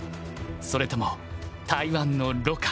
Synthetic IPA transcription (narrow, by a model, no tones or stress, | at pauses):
so̞ɾe̞t̪o̞mo | t̪aiβãnːo̞ɾo̞ka